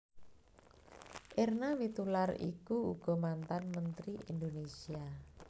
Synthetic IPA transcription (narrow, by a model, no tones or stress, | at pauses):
ʔernawit̪ularḭkuuɡ̥ɔ̤mant̪anmənt̪ɾiʔind̪onesia